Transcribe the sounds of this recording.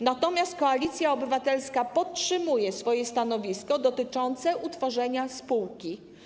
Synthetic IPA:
nat̪ɔmʲjast̪̚kɔalʲit̪sʲjaɔbɘvat̪ɛlskapɔtʂɘmujɛsfɔjɛst̪anɔvʲiskɔd̪ɔt̪ɘt͡ʂɔnt̪sɛʔut̪fɔʐɛɲaspuwkʲi

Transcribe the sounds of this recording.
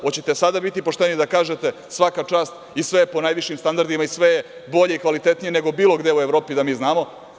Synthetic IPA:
ot͡ɕe̞t̪e̞sad̪abit̪ipo̞ʂt̪enid̪akaːʒe̞t̪e̞ | sʋakat͡ʂaːst̪ | isʋe̞po̞naːjʋiʃimst̪and̪aɾd̪imaisʋe̞je | bo̞ʎe̞ikʋalit̪e̞t̪nije̞neɡo̞biːlo̞ɡd̪e̞ueʋɾo̞ːpid̪amiːznaːmo̞

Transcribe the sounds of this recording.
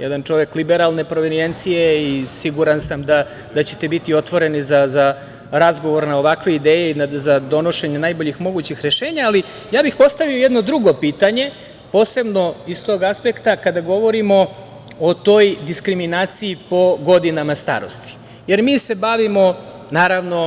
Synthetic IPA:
jɛ̰d̪ant͡ʃo̞ʋeklibeɾalne̞pɾo̞ʋenient̪sijeisiɡuɾansamd̪a | d̪at͡ɕe̥t̪ebit̪io̞t̪ʋo̞ɾe̞nizaza | ɾazɡo̞ʋo̞ɾnaoʋakʋe̞id̪eːjeinazad̪o̞no̞ʃe̞ɲenajbo̞ʎixmo̞ɡut͡ɕixɾeʃe̞ːɲaːli | jaːbixpo̞st̪aʋiojɛd̪no̞d̪ɾuɡo̞piːt̪aɲe̞ | po̞ːse̞bno̞ist̪o̞ɡaspe̞kt̪akad̪aɡo̞ʋo̞ɾimo̞ | ot̪o̞jd̪iskɾiminaːt̪siipo̞ɡo̞d̪inamast̪a̰ːɾo̰st̪i̥ | jeɾmiːse̞baʋimo̞ | naːɾaʋno̞

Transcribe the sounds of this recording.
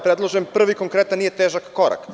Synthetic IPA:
pɾed̪lˠoʒempr̩ʋikoŋkɾet̪anːijet̪eːʒakːoɾa̰k

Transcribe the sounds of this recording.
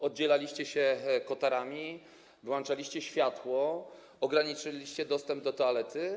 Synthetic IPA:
ɔd̪̚d͡ʑɛlalʲiɕt͡ɕɛɕɛkɔt̪aɾamʲi | vwant͡ʂalʲiɕt͡ɕɛɕfʲjat̪wɔ | ɔɡɾaɲit͡ʂɨlʲiɕt͡ɕɛd̪ɔst̪ɛmb̚d̪ɔt̪ɔalɛt̪ɘ

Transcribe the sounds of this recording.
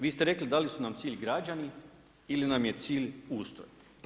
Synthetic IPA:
ʋiːst̪eɾe̞klid̪alisunamt̪siːʎɡɾad͡ʑani | ilinamje̞t̪siːʎuːst̪ɾo̰j

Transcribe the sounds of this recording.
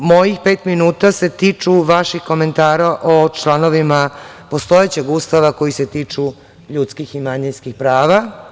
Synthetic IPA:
mo̞jixpeːt̪minuːt̪ase̞t̪iːt͡ʃuʋaʃixko̞me̞nt̪aːɾaʔot͡ʃlano̞ʋima | po̞st̪o̞jet͡ɕe̞ɡuːst̪aʋako̞jiset̪iːt͡ʃu | ʎut̪skiximaɲinskixpɾaːʋa

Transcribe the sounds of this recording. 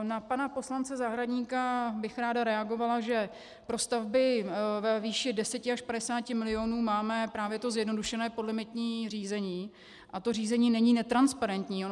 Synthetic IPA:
napanapo̞slant͡sɛzaɦɾadɲiːkabɪxɾaːdaɾɛaɡo̞valaʒɛ | pɾo̞st̪avbɪvɛviːʃɪdɛsɛcɪaʃpadɛsaːcɪmɪlɪonuːmaːmɛpɾaːvjɛt̪o̞zjɛdno̞duʃɛnɛːpo̞dlɪmɪt̪ɲiːr̝iːzɛɲiː | ʔat̪o̞riːzɛɲiːnɛɲiːnɛt̪ɾanspaɾɛnt̪ɲiːo

